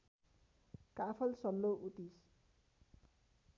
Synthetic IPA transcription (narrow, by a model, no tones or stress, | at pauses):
kapʰʌlsʌlːoʔut̪is